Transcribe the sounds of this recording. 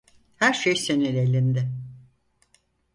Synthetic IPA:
hæɾʃejsenelʲelʲind̪ɪ

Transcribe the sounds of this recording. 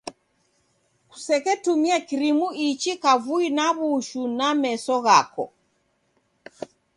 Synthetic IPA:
ku̥sɛkɛtumiakiɾimuit͡ʃikavuinaβuʃunamɛsɔɣakɔ̰

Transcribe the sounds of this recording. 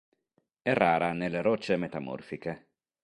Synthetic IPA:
ɛrːaːɾanelːeɾɔt͡ʃːemet̪amɔ̰rfike

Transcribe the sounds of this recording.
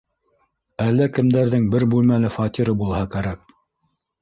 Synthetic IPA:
ælːækɘ̆md̪æɾðɘŋbɘɾbʉlmælɘfɑt̪ʲiɾɤbulˠhɑkæɾæk̚

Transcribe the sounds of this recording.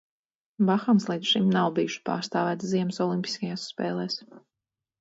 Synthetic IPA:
baxamslˠiːt̪sʃimnawbijuʃpa̰ːɾst̪aːvæːt̪ziɛmsɔlˠimʲpʲi̥skajaːsːpɛ̰ːlˠɛːs

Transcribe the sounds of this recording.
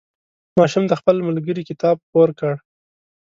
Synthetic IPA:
mɑʃumd̪əxpəlmalɡəɾikɪt̪ɑb̚poɾkəɽ

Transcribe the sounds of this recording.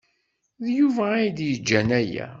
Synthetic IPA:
ðjuvæajd̪jəd͡ʒːænæjæ̰

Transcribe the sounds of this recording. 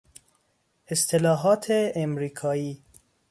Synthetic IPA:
est̪ʰelɒːɦɒːt̪ʰeːmɾiːkʰɒːiː

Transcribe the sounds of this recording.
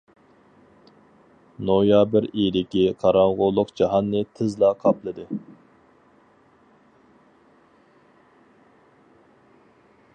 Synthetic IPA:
nojɑbɪɾijd̪ɪkʲiqʰɑɾɑŋʁʊlˠːʊqd͡ʒɑɦɑnːɨt̪ʰɪzlˠɑqʰɑplˠɨd̪ɨ

